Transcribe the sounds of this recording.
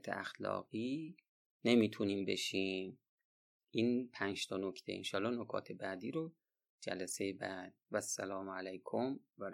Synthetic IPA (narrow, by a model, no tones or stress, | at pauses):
t̪ʰeæxlɒ̰ːɣ̥iː | ne̞miːt̪ʰuniːmbe̞ʃiːm | ʔiːnpʰænʃt̪ʰɒːnocʰt̪ʰe̞̰ḭnʃɒːlːɒːnokʰɒ̰ːt̪ʰe̞bæːd̪iːɾo | d͡ʒæ̰læsejebæd̪̥̚væsːælɒːmælæjkʰomvæɾ